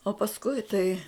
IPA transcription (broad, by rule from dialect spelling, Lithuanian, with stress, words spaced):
oː pɐsˈkʊɪ tɐɪ